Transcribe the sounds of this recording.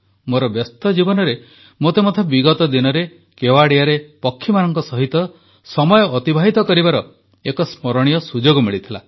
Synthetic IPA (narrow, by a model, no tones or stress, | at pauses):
moɾɔbjɔst̪ɔd͡ʒibɔnɔɾe | mot̪emot̪ʰɔbiɡɔt̪ɔd̪inɔɾe | kewaɽiaɾepɔkʰːimanɔŋkɔsɔɦit̪ɔ | sɔmɔjɔːt̪ibʱaɦit̪ɔkɔɾibaɾɔ | ekɔsmɔɾɔɽ̃ijɔsud͡ʒoɡɔmiɭit̪ʰila̰